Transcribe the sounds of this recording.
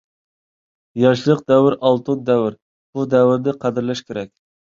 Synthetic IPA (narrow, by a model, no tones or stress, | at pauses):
jɑʃlˠəq̚d̪ɛwɪɾɑlˠt̪ɨnd̪ɛwɪɾ | b̥ud̪ɛwɪɾnɪqʰæd̪ɪɾlɛʃkʲeɾɛkʲ